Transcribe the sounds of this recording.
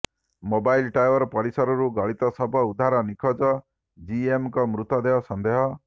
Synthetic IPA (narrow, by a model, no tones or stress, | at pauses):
mobajlʈajwɔɾɔpɔɾisɔɾɔɾuɡɔɭit̪ɔsɔbʱɔud̪ʱaɾɔnikʰɔd͡ʒɔ | d͡ʒiemkɔmɾut̪ɔd̪eɦɔsɔnd̪eɦɔ